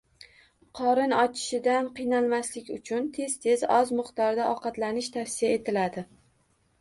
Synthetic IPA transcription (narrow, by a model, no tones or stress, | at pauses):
qʰɒɾɪnɒt͡ʃʰɪ̥ʃɪd̪anqɨjnalˠmaslɪkʲʊ̰t͡ʃʰʊnt̪ʰe̞zt̪ʰe̞zɒzmʊχt̪ɒɾd̪aʔɒqɑt̪lanɪʃt̪ʰafsijae̞t̪ʰɪlad̪ɪ